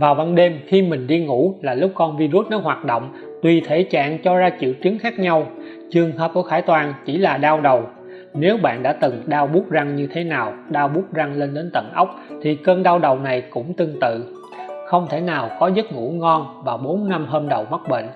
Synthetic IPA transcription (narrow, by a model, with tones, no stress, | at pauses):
vaː˨˩wva˧nɗe˧mxi˧mï˨˩ŋ̟ɗi˧ŋṵ˧˥laː˨˩lʊ˦˥k͡p̚kɔ˧nvi˧zu˦˥t̚nɔ˨˦jɦwaː˨˩t̚ɗo̰˧˨wŋ͡m | t̪wi˨˩t̪ʰe˧˦t͡ɕa̰ː˧˨ŋt͡ɕɔ˧zaː˧t͡ɕḭ˧˨əwt͡ɕi˨˦əŋxaː˦˥k̚ɲa˧w | t͡ɕɨ˨˩əŋhəː˧ku˧˩əxaː˧˩jt̪waː˧˩nt͡ɕi˧˩laː˨˩ɗaː˧wɗə˨˩w | ne˨˦wɓa̰ː˧˨nɗa̰ː˧˥t̪ɨ˨˩ŋɗaː˧wɓu˦˥ət̚za˧ŋɲɨ˧t̪ʰe˨˦naː˨˩wɗaː˧wɓu˦˥t̚za˧ŋle˧nɗe˨˦nt̪ə̰˧˨˩nʔə˦˥wk͡p̚t̪ʰi˨˩kəː˧nɗaː˧wɗə˨˩wna˨˩jkʊ̰˧˥ŋ͡mt̪ɨ˧əŋt̪ɨ̰˧˨ | xə˧wŋ͡mt̪ʰe˧˩naː˨˩wkɔ˨˦zə˦˥t̚ŋṵ˧˥˩ŋɔ˧nvaː˨˩wɓo˨˦nna˧mɦəː˧mɗə˨˩wmə˦˥t̚ɓḛ˧˨n